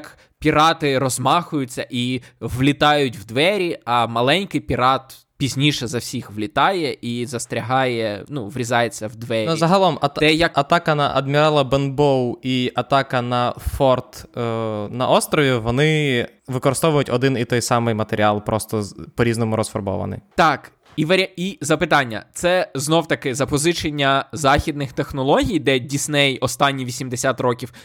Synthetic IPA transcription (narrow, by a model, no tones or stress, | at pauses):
k | pʲiɾɑt̪ɪɾɔzmɑxʊjʊt͡sʲːɐʔiwlʲɪt̪ɑjʊtʲwd̪ʋɛɾʲiɐmɐlˠɛnʲkɪjpʲiɾɑt̪ | pʲizʲnʲiʃɛzɐwsʲixʋlʲɪt̪ɑjɛʔizɐst̪ɾʲɐɦɑjɛnuʋɾʲizɑjet͡sʲːɐwd̪ʋɛɾʲnzɐɦɐlˠɔmɐt̪ɛjɐk̚ɐt̪ɑkɐnɐʔɐ̰d̪mʲiɾɑlˠɐbɛnbɔwiʔɐt̪ɑkɐnɐfɔrt̪ | nɐʔɔst̪ɾɔʋʲiʋɔnɪʋɪkɔɾɪst̪ɔʋʊjʊtʲɔd̪ɪnit̪ɔjsɑmɪjmɐt̪eɾʲialˠpɾɔst̪ɔpɔɾʲiznɔmʊɾɔsfɔrbɔ̰ʋɐ̰nɪ̰jt̪ɑk | iʋeɾʲizɐpɪt̪ɑnʲːɐ̰t̪sɛznɔwt̪ɐkɪzɐpɔzɪt͡ʃenʲːɐzɑxʲid̪̚nɪxt̪exnɔlˠɔɦʲijd̪ɛdʲisʲnɛjɔst̪ɑnʲːiʋʲisʲimd̪esʲat̪rɔkʲiw